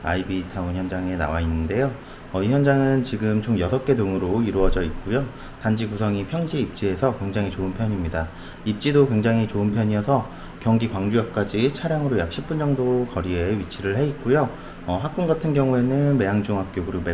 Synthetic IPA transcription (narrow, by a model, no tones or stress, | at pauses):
aibitʰaunçjʌnd͡ʑaŋe̞na̰wainːɯnde̞jo | ʌiçjʌnd͡ʑaŋɯnt͡ɕiɡɯmt͡ɕomjʌsʰʌk͈e̞doŋɯɾoiɾoʌd͡ʑʌit̚k͈ujo | tand͡ʑiɡusʰʌŋipʰjʌŋd͡ʑiip̚t͡ɕ͈ie̞sʰʌkwe̞ŋd͡ʑaŋit͡ɕoɯnpʰjʌɲimɲida | ip̚t͡ɕ͈idokwe̞ŋd͡ʑaŋɦit͡ɕoɯnpʰjʌɲijʌsʰʌ | kjʌŋɡikwaŋd͡ʑujʌk̚k͈ad͡ʑit͡ɕʰaɾjaŋɯɾojak̚ɕʰip̚p͈und͡ʑʌŋdokʌɾie̞ɥit͡ɕʰiɾɯɭhe̞it̚k͈ujo | ʌɸak̚k͈uŋɡatʰɯnɡjʌŋue̞nɯnme̞jaŋd͡ʑuŋɦak̚k͈joɡɯɾome